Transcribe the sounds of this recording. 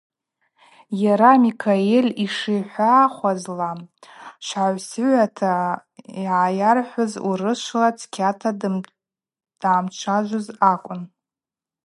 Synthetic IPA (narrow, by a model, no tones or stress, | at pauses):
jaɾamikʰaelʲiʂijħʷaχʷazla | ʃʷaʕʷsɥʷatʰaiʕajarħʷazṵɾɨʃʷlat͡sʰkʲʰatʰa | d̥aːmt͡ʃʷʰaʒʷozakʷʼʊn